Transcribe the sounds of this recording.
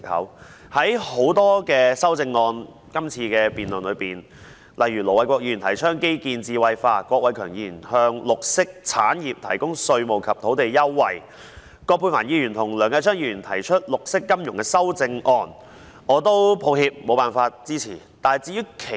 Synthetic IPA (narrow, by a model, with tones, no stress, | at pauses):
hɐ̰˨˥w | hɐ˨˥jho˨˥wt̪ɔː˥kɛː˧sɐ˥wt͡sɪ˧ŋːɔː˧n | kɐ˥mt͡sʰiː˧kɛː˧piː˨nlʊ˨˩nlɵ˨˧ɥpiː˨˩n | lʔɐ˨jɥyː˨˩lɔː˨˩wɐ˨˧˥jkʷɔː˧k̚jiː˧ɥy˨˩t̪ʰjt͡ʃʰœː˥ŋke˥jkiː˧nt͡siː˧wɐ˧jfaː˧˥kʷwɔː˧k̚wɐ˨˥jkʰœː˨˩ŋjiː˧jyː˨˩nhœː˧ŋlʊ˨k̚sɪ˥k̚t͡sʰaː˨˥njiː˨p̚t̪ʰɐ˨˩jkʊ˥ŋsɵ˧ɥmo˨wkʰɐ˨p̚t̪ʰo˨˥wt̪e˨jjɐ˥wːɐ˨j | kɔː˧kpʰːu˧nfaː˨˩njiː˧jyː˨˩nt̪ʰʊ˨˩ŋlœː˨˧ŋkaː˧jsʰœː˥ŋjiː˧ɥyː˨˩nt̪ʰɐ˨˩jt͡ʃʰɵ˥t̚lʊ˨k̚sɪ˥kːɐ˥mjʊ˨˩ŋkɛ˧sɐ˥wt͡sɪ˧ŋʔɔː˧n | ɔː˨˧t̪o˥wpʰo˨˧whiː˧p̚mo˨˧wpaː˨˩nfaː˧t̚t͡siː˥t͡sʰḭː˨˩t̪aː˨˩t͡siː˧jyː˥kʰe˨